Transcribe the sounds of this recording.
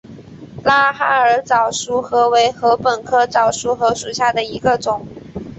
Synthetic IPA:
la˥xa˥ə˞˨˥t͡sɑ˨˩ʊʂu˧˥xɤ˧˥we˧˥ɪxɤ˧˥pə˨˩nkʰɤ˥t͡sɑ˨˩ʊʂu˧˥xɤ˧˥ʂu˨˩ɕja˥˩d̪ə˩i˧˥ɡə˧ʈ͡ʂʊ˨˩˦ŋ

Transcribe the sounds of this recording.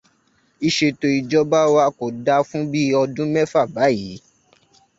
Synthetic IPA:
i˧ʃe˧to˧i˨d͡ʒɔ˦ba˦wa˧ko˨da˧fũ˦bi˦ɔ˧dũ˦mɛ̃˦fa˦˨ba˨˦ji˨˦

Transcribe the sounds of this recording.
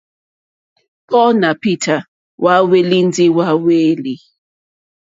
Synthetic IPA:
pʰɔ˦na˨pi˦tʰa˨ | wʔa˦we˦li˦n˦di˦wa˦we˦li˦

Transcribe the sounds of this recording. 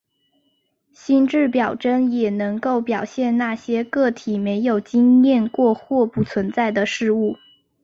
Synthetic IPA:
ɕi˥nʈ͡ʂɻ̩˥˩pjɑ˨˩ʊʈ͡ʂə˥ŋjɛ˨˩nɤ˧˥ŋko˥˩ʊpjɑ˨˩ʊɕjɛ˥˧nna˥˩ɕjɛ˥kɤ˥˩t̪ʰi˨˩me˧˥ɪjo˨˩ʊt͡ɕi˥ŋjɛ˥˧nkwɔ˥˧xwɔ˥˧pu˥˩t͡sʰwə˧˥nt͡sa˥˩ɪd̪ə˩ʂɻ̩˥˧u˥˩

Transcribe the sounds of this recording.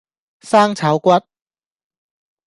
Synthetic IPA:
saː˥ŋt͡sʰɐ˨˥wkʷɐ˥t̚

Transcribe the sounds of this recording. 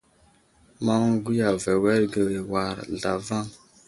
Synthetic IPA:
ma˦ŋ˦ɡu˦ja˨vɛ˨wɛ˦ɾɡə˨ɾe˨wa˨ɾɮa˨va˦ŋ

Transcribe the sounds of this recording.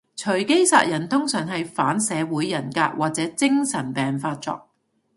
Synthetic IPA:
t͡ʃʰɵ˨˩ɥke˥jsa̰ː˧t̚jɐ˨˩nt̪ʰʊ˥ŋsœː˨˩ŋɦɐ˨jfaː˨˥nsɛː˨˧wuː˨˥jːɐ˨˩nka̰ː˧k̚wʔaː˨t̚t͡sɛː˨˥t͡sɪ˥ŋsɐ˨˩npɛː˨ŋfaː˧t̚t͡sɔ̰ː˧k̚

